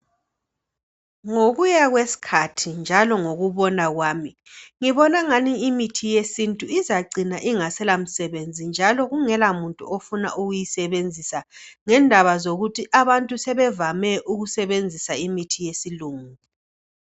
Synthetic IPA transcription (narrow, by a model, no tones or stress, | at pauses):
ŋoɣujaɣwesi̥kʰatʰind͡ʒʱalɔŋoɣuβɔnaɣwaːmi | ŋiβɔnaŋaniːmitʰijesintʼuizaɡ͡ǀʱinaʔiŋasɛlam̩sɛβend͡zʱind͡ʒʱalɔɣuŋɛlamuntʼṵofuna̰ʔuɣujisɛβend͡zʱisaŋɛndʱaβazoɣutʰiʔaβantʼusɛβɛvamɛʔuɣusɛβend͡zʱisaimitʰijesiluːŋu